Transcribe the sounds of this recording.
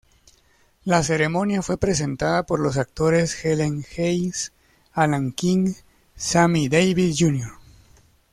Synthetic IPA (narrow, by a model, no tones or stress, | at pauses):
lase̞ɾe̞mo̞njafwe̞pɾe̞s̬e̞nt̪aðapo̞ɾlo̞s̬ak̚t̪o̞ɾe̞sxeleŋxejs | alaŋkiŋ | samid̪ejβiðd͡ʒunjoɾ